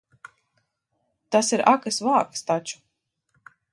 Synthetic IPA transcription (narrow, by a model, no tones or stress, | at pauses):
t̪asiɾʔakɨsvaːkst̪at͡ʃu̥